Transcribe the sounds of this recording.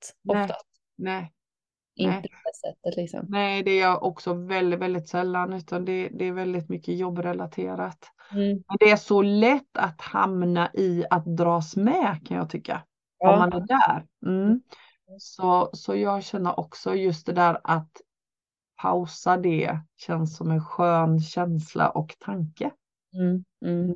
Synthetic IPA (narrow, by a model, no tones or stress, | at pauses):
t̪ɔft̪a | nɛ | ʔɪɛəɛsɛt̪ːət̪lɪksɔ̰mnɛːd̪ɛæjaʔɔksɔvɛld̪ɪt̪vɛld̪ɪt̪sɛlːanʉ̟ːt̪ʰand̪ɛd̪ɛːɾvɛld̪ɪt̪mʏkːəjɔbːɾɛlat̪ʰḛːɾat̪ | mɛnd̪ɛæʂɔlɛt̪ːat̪ha̰mnaʔɪat̪̚d̪ɾɑːsmɛkʰanjɑ̰ːt̪ʰʏkːa̰ | ɔhand̪ɛd̪æ̰ːɾm̩ː | sɔsɔjɑːɡɕɛnːəɾʔɔksɔjɵst̪̚d̪ɛd̪æːɾat̪ | pʰa̰ʊsad̪ɛɕɛnssɔmɛnɧøːnɕɛnslʔa̰ʔɔkt̪ʰaŋkə